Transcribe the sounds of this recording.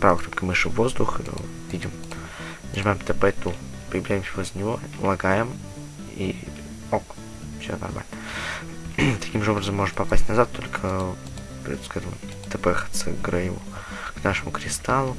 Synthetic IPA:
pɾavəkɾʲolʲkəmɨʂɨvːo̞zd̪ʊxt̪o̰ | vʲidʲɪm | nʲʐɨmajɪmt̪əpɛt̪u | pəjɪvlʲæjɪmsʲɪvʲozʲnʲɪvolˠɐɡajɪm | ḭ | ok | fsʲo̰nɐ̰rma̰lʲnə | t̪ɐ̥kʲimʐɨo̞bɾəzəmːo̞ʐənpɐpasʲtʲnɐzat̪ʰːolʲkʰə | pʲot̪skaʐəm | t̪əpɛxə̥t̪səɡɾajṵ | knaʂəmʊkɾʲɪst̪alˠʊ

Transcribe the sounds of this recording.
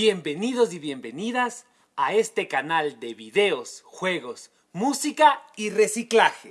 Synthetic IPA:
bje̞mbe̞niðo̞s̬iβje̞mbe̞niðas | ae̞st̪e̞kanald̪e̞βiðe̞osxwe̞ɣo̞s | musikaire̞siklaxe

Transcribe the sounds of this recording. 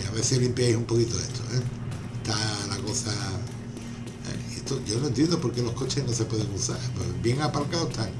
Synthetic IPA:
aβe̞θelimpjajsumpo̞kit̪oe̞t̪ʰoeet̪alako̞sa | ḛiet̪oʝonoent̪je̞nd̪opo̞ɾke̞lo̞hko̞t͡ʃe̞hnose̞pwe̞ðe̞ŋuθaɾpebje̞ŋapalkaot̪aŋ

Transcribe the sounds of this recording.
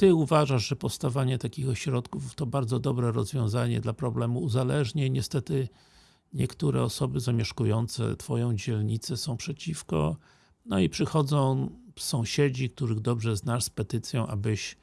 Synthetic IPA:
t̪ɘuvaʐaʐʐɛpɔst̪avaɲɛt̪akʲixɔɕɾɔt̪kuft̪ɔbaɾdzɔd̪ɔbɾɛɾɔzvjɔ̃w̃zaɲɛ̰d̪lapɾɔblɛmuːzalɛʐɲɛɲɛst̪ɛt̪ɘ | ɲɛkt̪uɾɛ̰ɔsɔbɘzamʲjɛʂkujɔnt̪sɛ̰t̪fɔjɔ̃w̃d͡ʑɛlɲit̪sɛsɔ̃w̃pʂɛt͡ɕifkɔ̰ | nɔipʂɘxɔd̪zɔ̃w̃sɔ̃w̃ɕed͡ʑik̚t̪uɾɘɣd̪ɔbʐɛznaʂspɛt̪ɘt̪sʲjɔ̃w̃ʔa̰bɘɕ

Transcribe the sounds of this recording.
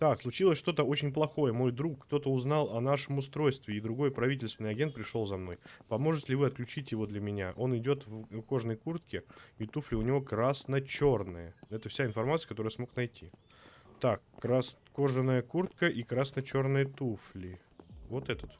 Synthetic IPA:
t̪akslˠʊt͡ɕilˠəsʲʂt̪o̞t̪əo̞t͡ɕɪnʲplˠɐxo̞jəmo̞jd̪ɾukːt̪o̞t̪əʊznalˠɐnaʂəmʊst̪ɾo̞jst̪vʲɪːd̪ɾʊɡo̞jpɾɐvʲit̬ʲɪlʲst̪vʲɪnːɪɐɡʲent̪pɾʲɪʂo̞lˠzɐmno̞jpɐmo̞ʐɨtʲɪlʲɪvɨɐt̪̚klʲʉt͡ɕitʲjɪvo̞d̪lʲəmʲɪnʲaʔo̞nɪdʲo̞t̪vko̞ʐnəjkurt̪kʲɪit̪uflʲɪʊnʲɪvo̞kɾasnət͡ɕo̞rnɨjəɛt̪əfsʲaɪnfɐrmat̪sɨəkɐt̪o̞ɾəjəsmo̞knɐjtʲi | t̪akːɾasko̞ʐɨnːəjəkurt̪̚kəʔikɾasnət͡ɕo̞rnɨjət̪uflʲɪ | vo̞t̪ɛt̪ət̪

